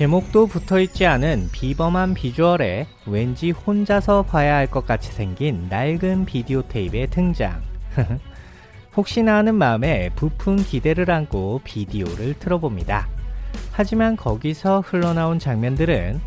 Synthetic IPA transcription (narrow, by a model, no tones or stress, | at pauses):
ke̞mok̚t͈oputʰʌit̚t͡ɕ͈ianɯnpibʌmɦanpid͡ʑuʌɾe̞ | we̞nd͡ʑihond͡ʑasʰʌpajaɦaɭk͈ʌk̚k͈at͡ɕʰi̥sʰe̞ŋɡinːaɭɡɯnpidiotʰe̞ibe̞tʰɯŋd͡ʑa̰ŋ | hok̚ɕ͈inanɯnmaɯme̞pupʰunkide̞ɾɯɾank͈ʰopidioɾɯɭtʰɯɾʌbomɲida̰ | had͡ʑimankʌɡisʰʌhɯɭːʌnaont͡ɕaŋmjʌndɯɾɯ̰n